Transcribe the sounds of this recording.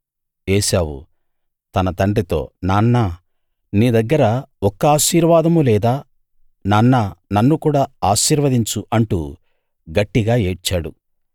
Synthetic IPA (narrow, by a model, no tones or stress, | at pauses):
eːʃaːwṵ | t̪ɐnɐt̪ɐɳɖit̪o̞̰ːnaːnːɐ | niːd̪ɐɡːɐɾɐɔkːɐaːʃiːɾʋaːd̪ɐmulɛːd̪aː | nɐnːɐnɐnːukuːɽaːaːʃiːɾʋɐd̪iɲt͡ʃuʔɐɳʈṵ | ɡɐʈːiɡaːeːt͡ʃːaːɽu